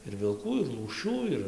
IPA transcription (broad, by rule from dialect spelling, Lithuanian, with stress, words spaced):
ɪr ʋʲɪlˠˈkuː ɪr lˠuːˈʃʲuː ˈɪr